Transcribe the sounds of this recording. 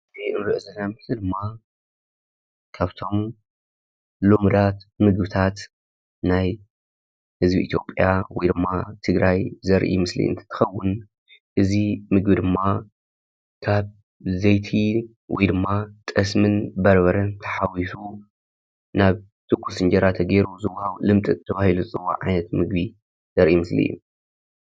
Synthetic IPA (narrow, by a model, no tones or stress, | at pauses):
iʔɨnɾɨʔɨzɐlːamɨħlid̪ɨmːa | kʰaβt̪ʰo̞m | lumd̪at̪mɨɡbɨt̪ʰat̪ | naj | hɨzbiʔḭt̪ʰjo̞̰pʼjawɔjd̪ɨmːat̪ʰɨɡɾajzɐɾʔḭmɨslḭɨ̰nt̪ʰɐ̥t̪ʰɨ̥xɐwːʊn | ʔɨzimɨɡbid̪ɨmːa | kʰaβ | zɐjt̪ʰi | wɔ̰jd̪ɨmːat̪ʼɐsmɨnbɐɾbɐɾɐnt̪ʰɐ̥ħawisu | naβ | t̪ʰʼɨkʷʰːusɨnd͡ʒɐɾat̪ʰɐɡeɾuzɨwːɐhaβulɨmt̪ʼɨt̪ʰːɐβahilut͡sʼɨwa̰ʕa̰jnɐt̪mɨɡbi | z̥ɐɾʔimɨslḭjːṵ